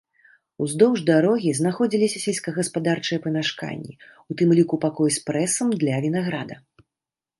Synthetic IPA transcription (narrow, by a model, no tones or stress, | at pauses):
uzd̪ɔwʐd̪aɾɔɣʲiznaxɔd͡zʲilʲisʲɐsʲɛlʲsʲkɐɣɐspad̪art͡ʂɨjɐpɨmʲaʂka̰nʲːḭut̪ɨmlʲikupakɔjspɾɛsɐmd̪lʲɐvʲinaɣɾad̪ɐ